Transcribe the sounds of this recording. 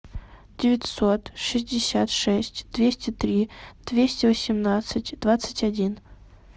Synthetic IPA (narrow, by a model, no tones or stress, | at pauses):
dʲɪvʲɪtʲso̞t̪ʂɨzʲdʲɪsʲat̪ʂɛsʲtʲd̪̥vʲesʲtʲɪt̪ɾʲid̪̥vʲesʲtʲɪvəsʲɪmnat̪sɨtʲd̪vat̪sɨ̥tʲɐdʲin